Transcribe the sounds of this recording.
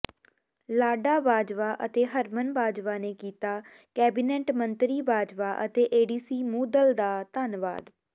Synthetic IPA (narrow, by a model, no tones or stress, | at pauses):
laːɖaːbaːd͡ʒʋaːʔət̪eːɦəɾmənbaːd͡ʒʋaːneːkiːt̪aː | kɛːbɪnɛːʈmənt̪ɾiːbaːd͡ʒʋaːʔət̪eːʔeːɖiːsiːmuːd̪əld̪aːt̪aːnʋa̰ːd̪